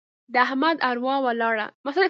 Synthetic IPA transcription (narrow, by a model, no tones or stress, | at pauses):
d̪əaɦmad̪aɾwɑwəlɑɽa̰masal